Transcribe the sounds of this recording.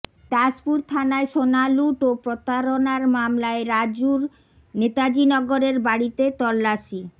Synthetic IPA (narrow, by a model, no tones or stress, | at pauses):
t̪aspuɾt̪ʰanaeʃonaluʈopɾot̪aɾonaɾmamlaeɾad͡ʑuɾ | net̪ad͡ʑinɔɡoɾeɾbaɽit̪et̪ɔlːaʃi